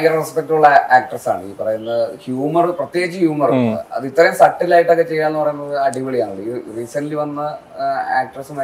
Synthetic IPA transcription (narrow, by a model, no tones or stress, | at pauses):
jɐrrespek̚ʈuɭːɐaːk̚ʈɐrsa̰ːɳɨḭːpɐrɐjunːɨhjuːmɐrprɐt̪jeːd͡ʑɨhjuːmɐruɐnːɨ̰ɐ̰ðit̪ːɐɾɐmsɐʈːilaːjiʈːɐkːet͡ɕe̞jːaːlnːɨpɐrɐjunːɐðɨɐɽiʋɐɭijaːɳɐɭːɨiriːsɐnliʋɐnːɐ | a̰ːk̚ʈɐrsɨmɐ